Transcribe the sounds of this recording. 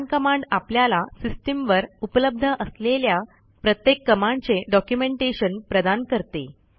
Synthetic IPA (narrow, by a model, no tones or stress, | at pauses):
nkəmaɳɖapljalasisʈimʋəɾupələb̚d̪ʱəʔəslelja | pɾət̪jekːəmaɳɖt͡seɖɔkjumeɳʈeɕənpɾəd̪ankəɾt̪e